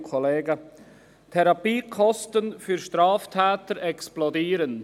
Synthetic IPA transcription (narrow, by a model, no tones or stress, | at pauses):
kʰɔleːɡə | tʰɛɾɑpiːkʰɔstənfyɾʃtɾɑːftʰɛːtəɾɛksplɔdiːɾən